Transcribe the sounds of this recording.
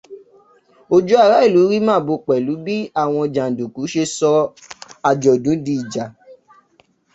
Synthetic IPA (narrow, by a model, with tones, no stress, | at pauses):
o˧d͡ʒu˦a˦˧˨ɾa˨˦i˦˨lu˨˦ɾi˦mãː˦˨bo˧k͡pɛ˨lu˨˦bi˦a˦˨w̃ɔ̃˧d͡ʒa˨n˨du˨ku˨˦ʃe˧sɔ˧ | a˧d͡ʒɔ˨dũ˨˦di˧i˨d͡ʒa˨